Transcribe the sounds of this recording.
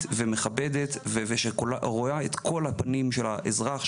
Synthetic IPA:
tvemeχabed̪et̪veveʃekolaʁoaet̪kʰo̞lhapanimʃelaʔezʁaχ

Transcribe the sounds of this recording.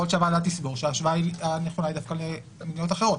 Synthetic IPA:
olʃavadatisbo̞ʁʃeaʃvaianeχonaidafkale | mnijotaχe̞ʁo̞t

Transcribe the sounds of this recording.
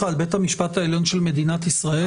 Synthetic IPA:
aːlbe̞t̪hamiʃpat̪aeljo̞nʃelme̞d̪inat̪isʁae

